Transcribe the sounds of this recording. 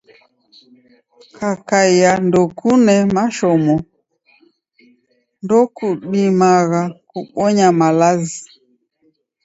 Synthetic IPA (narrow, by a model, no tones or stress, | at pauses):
kʰakaijandɔkunɛmaʃɔmɔ | ndɔkuɓimaɣakuɓɔɲamalazi